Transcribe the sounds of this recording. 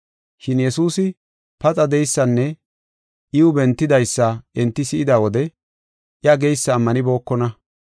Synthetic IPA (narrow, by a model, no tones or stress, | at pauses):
ʃɪnjɛsuːsɪ | pɐt͡sʼɐd̪ɛjsːɐnːɛ | ʔɪʊbɛnt̪ːɪd̪ɐjsːɐʔɛnt̪ːɪsɪʔɪd̪aːwɔd̪ɛ | ʔjɐɡejsːɐːmːɐnɪbo̞ːkːɔnɐ